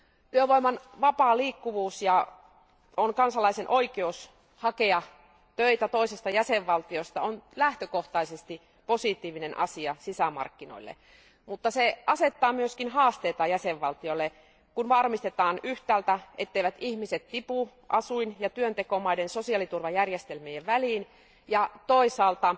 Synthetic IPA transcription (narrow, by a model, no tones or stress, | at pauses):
t̪yøʋoimɑnʋɑpɑːliːkːuʋuːsjɑ | onkɑnsɑlɑisenʔoikeus | hɑkeɑ | t̪øit̪æt̪oisest̪ɑjæseʋːɑlt̪iost̪ɑonlæht̪økoht̪ɑisest̪i | posit̪iːʋinenʔɑ̰siɑsisæmɑ̰rkːino̰ilːḛ | mut̪ːɑseɑset̪ːɑːmyøskinhɑːst̪eːt̪ɑjæseʋːɑlt̪iolːe | kunʋɑrmist̪et̪ɑːnyht̪æːlt̪æʔet̪ːeiʋæt̪ihmiset̪t̪ipu | ʔɑsuinjɑt̪yønt̪ekomɑidensosiɑlit̪urʋɑjærjest̪elmieʋʋæliːn | jɑt̪oisɑːlt̪ɑ